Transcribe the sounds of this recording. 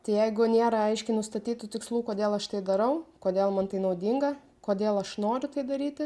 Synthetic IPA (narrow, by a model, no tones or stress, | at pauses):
t̪ɐɪjɛɪɡʊnʲeːɾɐɐɪʃʲkʲɪnʊst̪ɐt̪ʲiːt̪ʊt̪ʲɪkslˠuːkoːd̪ʲeːlˠɐʃt̪ɐɪd̪ɐɾɐʊkoːdʲeːlˠmɐnt̪ɐɪnɐʊd̪ʲiːŋɡɐ | koːd̪ʲeːlˠɐʃnoːɾʲʊt̪ɐɪd̪ɐɾʲiːt̪ʲɪ